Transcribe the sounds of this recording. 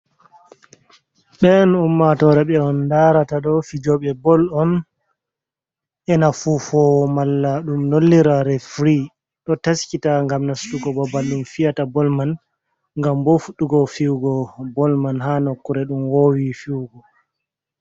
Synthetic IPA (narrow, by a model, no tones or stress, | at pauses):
ɓɛnumːatɔɾɛɓɛɔndaɾataɗɔfid͡ʒɔɓɛbɔlɔn | ʔɛnafufɔmalːaɗumnolːiɾaɾɛfɾi | ɗɔtaskitaŋɡamnastuɡɔbɔbalumfijatabɔlman | ŋɡambofuɗːuɡɔfiwɡɔbɔlmanɦanɔkːuɾɛɗumwowifiwɡɔ